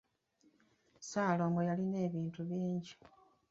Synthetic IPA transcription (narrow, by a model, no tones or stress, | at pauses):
saːlo̞ːmbojaline̞ːβiːntuβiːɲɟi̥